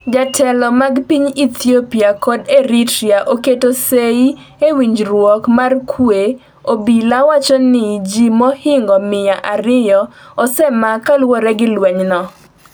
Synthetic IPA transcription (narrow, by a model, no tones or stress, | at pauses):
d͡ʒatʰɛlɔmaɡpiɲit̪ʰjopiakɔdeɾitɾiaʔoketosei | ewiɲd͡ʒɾwɔkmarkʰwe | obilawat͡ʃɔnɪd͡ʒimɔhɪŋɡɔmɪjaʔaɾɪjɔɔsɛmakalwɔɾɛɡɪlwɛɲnɔ